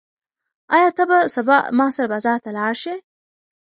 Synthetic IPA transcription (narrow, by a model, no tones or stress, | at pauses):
ɑjɑt̪abasabɑ̰ʔmɑsaɾabɑzɑɾt̪alɑɽʃe